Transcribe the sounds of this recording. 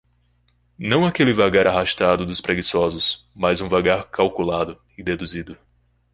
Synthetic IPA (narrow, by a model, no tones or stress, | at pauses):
nɐ̃w̃akelɪvaɡaɾaɦaʃt̪ad̪ʊd̪ʊspɾeɡisɔzʊsmajzũvaɡaɾkawkulad̪ʊ | ɪd̪ed̪uzid̪ʊ